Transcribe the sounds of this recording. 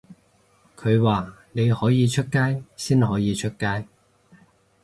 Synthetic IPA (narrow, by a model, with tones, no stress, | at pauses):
kʰɵ˨˧ɥwaː˨ne˨˧jhɔː˨˥jiː˨˧t͡ʃʰɵ˥t̚kaː˥jsiː˥nɦɔː˨˥jiː˨˧t͡ʃʰɵ˥t̚kaː˥j